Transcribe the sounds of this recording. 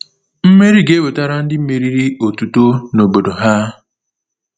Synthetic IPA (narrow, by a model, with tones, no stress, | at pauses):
m̩˦me˦ɾi˦ɡe˦bo˨ta˦ɾa˦n̩˦dɪ˦m̩˦me˨ɾi˦ɾi˦o˨tu˨to˦no˨bo˨do˨ɦa˦